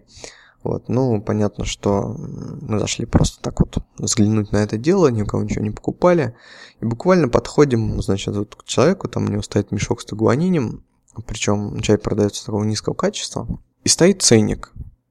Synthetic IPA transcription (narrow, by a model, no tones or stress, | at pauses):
vo̞̰t̪nupɐnʲat̪nə̰ʂt̪o̞̰mɨzɐ̰ʂlʲipɾo̞̰st̪ə̥t̪akvo̞t̪zɡlʲɪnutʲnɐɛt̪ədʲe̞lˠənʲɪʊkɐvonʲt͡ɕɪvonʲɪpə̥kʊpalʲɪibʊkvalʲnəpɐt̪xo̞dʲɪmznat͡ɕɪt̪vot̪kt͡ɕɪlˠɐvʲe̞kʊt̪amʊ̰nʲɪvo̞st̪ɐit̪mʲɪʂo̞kst̪əɡʊvɐnʲenʲɪəm | pɾʲɪt͡ɕo̞mt͡ɕajʲpɾəd̪ɐjo̞t̪sə̥t̪ɐko̞vənʲiskəvəkat͡ɕɪ̥st̪və̰ | ist̪ɐit̪̚t̪sɛnʲːɪ̰k